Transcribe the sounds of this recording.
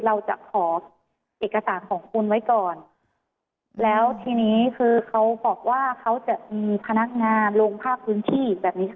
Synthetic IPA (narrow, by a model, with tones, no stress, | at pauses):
ɾa˧wt͡ɕa̰˨˩ʔkʰɔː˩˦ | ʔeː˨˩kːa˧saː˩˦nkʰɔː˩˦ŋkʰu˧nwa˦˥jkɔː˨˩n | lɛː˦˥wt̪ʰiː˧niː˦˥kʰɯː˧kʰa˦˥wbɔː˨˩k̚waː˥˩kʰa˦˥wt͡ɕa˨˩ʔmiː˧pʰa˧na˦˥k̚ŋaː˧nloː˧ŋpʰaː˥˩k̚pʰːɯː˦˥nt̪ʰiː˥˩bɛː˨˩p̚niː˦˥